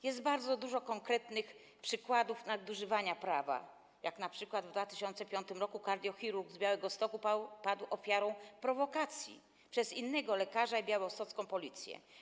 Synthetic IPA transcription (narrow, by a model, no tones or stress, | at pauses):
jɛsd̪baɾd̪zɔd̪uʐɔkɔŋkɾɛt̪nɘx | pʂɘkwad̪ufnad̪uʐɘvaɲapɾava̰ | jaknapʂɘkwad̪vd̪vat̪ɘ̥ɕɔnt̪sɛpʲjɔnt̪ɘmɾɔkukaɾd̪ʲjɔxʲiɾuɾɡzbʲjawɛɡɔst̪ɔkupapad̪wɔfʲjaɾɔ̃w̃pɾɔvɔkat̪sʲjḭ | pʂɛzinːɛɡɔlɛkaʐaibʲjawɔst̪ɔt̪skɔ̃w̃pɔlʲit̪sʲjɛ̰